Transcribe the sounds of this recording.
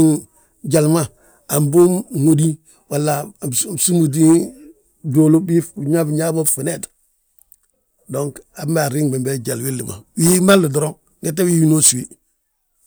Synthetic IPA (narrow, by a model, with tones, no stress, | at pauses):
ɟa˨lma˦ | a˨mbu˦mŋo˦di˦ | wa˨lːa˨su˦mu˨d̬i˦ | do˨lo˦bi˦˨ɲa˦bɲa˦bo˦fi˨ne˨t | do˦ŋka˨bma˨ɾi˦ŋbe˨mbe˦d͡ʒa˨lwi˦lːi˨ma̰˨wi˦ma˦lːu˨do˨ɾo˦ŋ | ɡe˦t̬ːa˦wi˦ji˦no˦su˨wi˦